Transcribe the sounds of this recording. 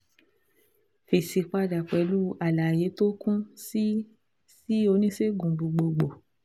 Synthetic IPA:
fe˨si˧k͡pa˧da˨k͡pɛ˨˦lu˦a˨la˨je˨˦to˦kũ˦si˦ | si˦o˧˦nĩ˦se˦ɡũ˨ɡ͡bu˧ɡ͡bo˧ɡ͡bo˨

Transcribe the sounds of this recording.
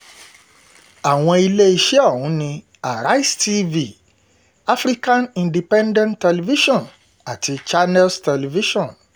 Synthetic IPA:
a˨w̃ɔ̃˧i˧le˦i˧ʃɛ˦ɔ˦˨wũ˨˦nĩ˧ | a˨ɾa˦i˦sti˦vi˨ | a˦fɾi˦kã˦nĩ˨ndi˨pɛ̃˦ndɛ̃˦ntɛ˧li˧vi˦ʃɔ̃˦˨n | a˨ti˧t͡ʃa˦nɛ˦lstɛ˧li˧vi˦ʃɔ̃˦˨n

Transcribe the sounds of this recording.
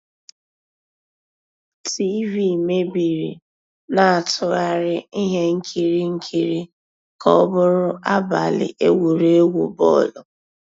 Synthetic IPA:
ti˦vi˦˨me˦bi˨ɾi˨ | na˨a˨tʰʊ˦ɣa˦ɾɪ˦i˦ɦe˦ŋ̩˦kʰi˨ɾi˦ŋ̩˦kʰi˨ɾi˦ | kʰɔ˦ɔ˦bʊ˦ɾʊ˦ʔa˦ba̰˨lɪ̰˨ʔe˦wu˨ɾe˦ɡo̰˨bɔ̰˦˨lɔ˨

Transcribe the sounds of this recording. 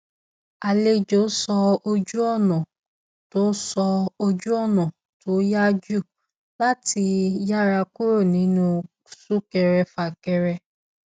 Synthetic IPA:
a˨le˦d͡ʒo˨˦sɔ˧o˧d͡ʒu˦ɔ˦˨nɔ̃˨ | to˦sɔ˧o˧d͡ʒu˦ɔ˦˨nɔ̃˨ | to˨˦ja˦d͡ʒu˦˨ | la˦ti˧ja˦ɾa˧ku˦ɾo˦˨nĩ˨˦nũ˧˦ | su˦kɛ˧ɾɛ˧fa˨kɛ˧ɾɛ˧

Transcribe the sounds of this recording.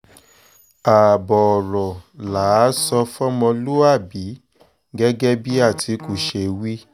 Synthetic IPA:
a˨bɔ˨ɔ˨ɾɔ˨la˨˦sɔ˧fɔ˦mɔ̃˧lu˦a˦˨bi˨˦ | ɡɛ˦ɡɛ˦bi˦a˦˨tʰi˨˦ku˨ʃe˧wi˦

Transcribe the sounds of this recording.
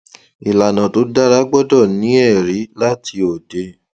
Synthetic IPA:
i˨la˨nã˨to˨˧˦da˦ɾa˨˦ɡ͡bɔ˦dɔ˦˨nĩ˨˦ɛ˦˨ɾi˨˦la˦tʰi˧o˨de˧

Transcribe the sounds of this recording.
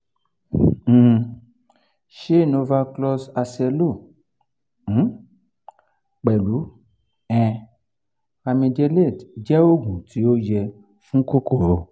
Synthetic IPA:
ʃe˦˨no˧va˧klɔ˧sa˧sɛ˧lo˦˨˦ | k͡pɛ˨lu˨˦ | ɛ̃˨ | a˧mĩ˧dɛ˧le˦˨dd͡ʒɛ˦o˦ɡũ˨ti˨˦o˦jɛ˧ | fũ˦ko˦ko˦˨ɾo˧˨

